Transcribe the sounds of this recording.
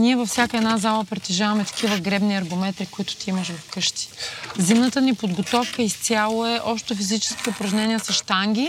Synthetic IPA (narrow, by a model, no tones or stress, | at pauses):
niɛvɐfsʲjakəɛd̪nazalˠəpɾɛt̪iʒavɐmɛt̪ɐ̥kʲivəɡɾɛbniɐɾɡomɛt̪ɾikʊit̪ʊ̥t̪iiməʃvɐfkɤʃt̪i̥zimnət̪ənipod̪ɡot̪ɔfkəist̪ʲalˠoɛʔɔpʃt̪ofizit͡ʃɛ̥skʲiʊpɾɐʒnʲɛniɛsɐʃt̪aŋɡʲi